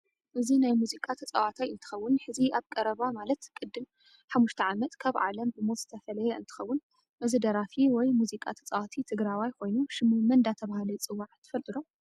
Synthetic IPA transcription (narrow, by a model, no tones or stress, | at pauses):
ʔɨzinajmuzikʼat̪ʰɐt͡sʼa̰wat̪ʰajɨnt̪ʰɨ̥xɐwːʊnħɨziaβkʼɐɾɐβamalɐt̪kʼɨd̪ːɨm | ħamːuʃt̪ʰɐʕamɐt̪kʰaβʕa̰lɐmbɨmot̪z̥ɨt̪ʰɐfɐlɐjɛɨnt̪ʰɨ̥xɐwːʊn | ʔɨzɨd̪ɐɾafiwɔjmuzikʼa̰t̪ʰɐ̥t͡sʼawat̪ʰit̪ʰɨɡɾawajkʰo̞jnuʃɨmumɐnd̪at̪ʰɐβahalit͡sʼɨwːaʕt̪ʰɨ̥fɐlt̪ʼɨɾo